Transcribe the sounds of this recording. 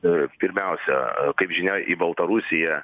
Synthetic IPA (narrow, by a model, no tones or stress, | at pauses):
pʲɪɾʲmʲɛʊsʲɛkɐɪpʒʲɪnʲɛʔibɐlˠt̪ɐɾusʲɪjɛ